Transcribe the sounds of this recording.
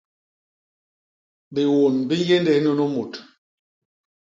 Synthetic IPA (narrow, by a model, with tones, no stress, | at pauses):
bi˨wo˨nbi˦je˦ndɛ˨˦nu˦nu˦mu˨t